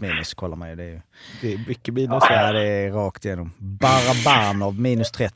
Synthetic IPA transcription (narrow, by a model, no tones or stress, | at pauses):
miːnʉskʰɔlːəmæɪd̪ɛæj | d̪ɛmʏkːəmiːnːʉsad̪ɛɾɑːkt̪ɪjeːnɔmbɑːɾɑbæɾnɑʋmiːnʉst̪ʰɾɛt̪ː